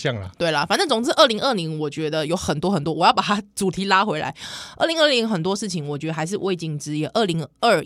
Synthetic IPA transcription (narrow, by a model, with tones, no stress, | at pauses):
jɑ˥˨˩ŋə̰˨t̪we˥˩ɪlə˩fa˨˩nt͡sə˥˩t͡sʊ˨˩ŋt͡sɹ̩˥˧ʔə˥˩li˧˥ŋə˥˩li˧˥ŋwɔ˨˩t͡ɕɥɛ˧˥d̪ə˧jo˧˥ʊxə˨˩nt̪wɔ˥xə˨nt̪wɔ˥wɔ˨˩jɑ˥˩pa˨˩a˥t͡su˨˩t̪ʰi˧˥la˥xwe˧˥ɪla̰˧˦ɪə˥˩˨li˧˥ŋə˥˩li˧˥ŋxə˨˩nt̪wɔ˥ʂɻ̩˥˩t͡ɕʰi˨˦ŋwɔ˨˩t͡ɕɥɛ˧˥d̪ə˧xa˧˥ɪʂ̬ɻ̩˥˧wʔe˥˧ɪt͡ɕi˥˩ŋʈ͡ʂɻ̩˥jɛ˧˥˩ʔə˥˩li˧˥ŋə˥˩